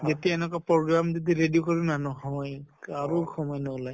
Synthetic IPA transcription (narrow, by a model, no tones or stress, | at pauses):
zetiaɛnɛkapɹɔɡɹamzetiɹedijokɔɹinanɔɦɔɔjkaɹuxʰɔmɔjnɔɔlaj